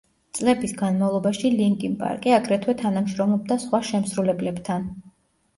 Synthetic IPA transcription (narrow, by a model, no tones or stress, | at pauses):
t̪sʼlɛbisɡanmavlˠɔbaʃiliŋkʼimpʼa̰ɾkʼiaɡɾɛt̪ʰwɛt̪ʰanamʃɾɔmlɔb̚d̪asχwaʃɛmsɾulɛblɛbt̪ʰan